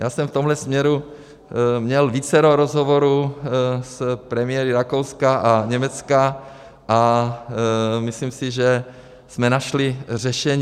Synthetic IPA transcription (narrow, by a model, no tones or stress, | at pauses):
jaːsɛmft̪omlɛsmɲɛɾu | mɲɛlviːt͡sɛɾoɾozɦovoɾu | spɾɛmɪjɛɾɪɾakowskaʔaɲɛmɛt͡ska | ʔa | misliːmsɪʒɛ | smɛnaʃlɪr̝ɛʃɛɲ